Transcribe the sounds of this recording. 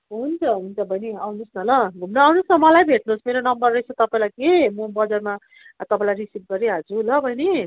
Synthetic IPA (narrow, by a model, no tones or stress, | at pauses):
ɦunt͡sʰʌɦunt͡sʰʌbʱʌjneawnusnʌlʌɡʱumnʌwnusʌmʌlajbʱeʈ̚nusmeɾonʌmbʌrːʌjt͡sʰʌt̪ʌpaĩlajkemʌbʌd͡zarma | t̪ʌpãĩlajrisip̚ɡʌɾiɦʌd͡zulʌbʱʌjne